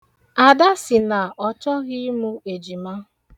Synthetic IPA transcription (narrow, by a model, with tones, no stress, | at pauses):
a˨da˦sɪ˨na˨ʔɔ˦t͡ʃɔ˦ɣi˦mu˦e˨d͡ʒi˨ma˦